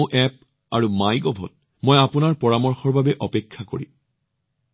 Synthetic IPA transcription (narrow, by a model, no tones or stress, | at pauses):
ʔɛp̚ | aɹumajɡɔbʱɔ̰t̚ | mojapunaɹpɔɹamɔɹxɔɹbʱabɛʔɔpekʰːako̰ɹḭ